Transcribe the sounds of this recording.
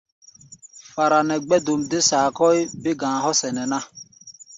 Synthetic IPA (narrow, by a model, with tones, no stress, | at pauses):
fa˨ɾa˨nɛ˨ɡ͡bɛ˦do˨m˨de˦sa˨kɔ˦i˦be˦ɡãː˨ɦɔ˦sɛ˨nɛ˨na˦